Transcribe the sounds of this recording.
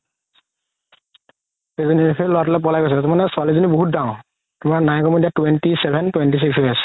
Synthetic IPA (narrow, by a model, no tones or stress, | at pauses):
ezɔniekelɔwatɔlɛp̬ɔlajɡojs̬ɛtɛtɛmanɛswalizuniboɦut̚daŋ | tʊmaɹnajɡɔmɔdijatwentisɛbʱɛntwentis̬iksɦojasɛ̥